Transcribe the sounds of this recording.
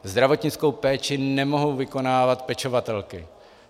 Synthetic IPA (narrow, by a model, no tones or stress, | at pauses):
zd̪ɾavo̞t̪ɲɪt͡sko̞wpɛːt͡ʃɪnɛmo̞ɦowvɪko̞naːvat̪pɛt͡ʃo̞vat̪ɛlkɪ